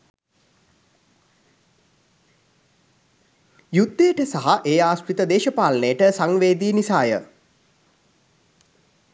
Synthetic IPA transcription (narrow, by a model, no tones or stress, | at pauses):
jud̪ːeəʈəsaɦaʔeːaːsʈɾit̪əd̪eːʃəpaːlənejəʈəsaŋʋeːd̪iːnisaːjə̰